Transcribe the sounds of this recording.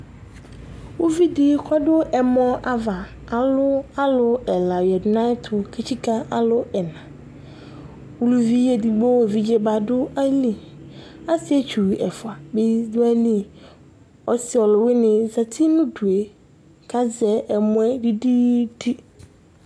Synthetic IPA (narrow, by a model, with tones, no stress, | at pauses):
wo˦vi˦di˦kʰɔ˦dʊ˦ʔɛ˨mɔ̃˦ʔa˨va˨ | a˨lʊ˦a˦lʊ˦ɛ˨la˨jɛ˨dnã˦ɪ˦tʰʊ˨kʰe˨t͡ɕʰi˦ka˦a˨lʊ˦ɛ˨nã˨ | wu˨lu˨vi˦jɛ˨di˨bɔ˦wo˨vi˨d͡ʑɛ˦ba˨dʊ˦a˦lĩ˨ | a˦sɪ˦ɛ˨t͡ʃʰᶣu˨i˨ɛ˨fʊ˨a˨be˦dʊ˦a˦lĩ˦˨ | ɔ˨sɪ˨ɔ˨lʊ˨wɪ˦nɪ̃˨za˨tʰi˦nʊ̃˦du˨e˨ | kʰa˦zɛ˨ʔɛ˨mʊ̃˨˦ɛ˦di˦di˦di˦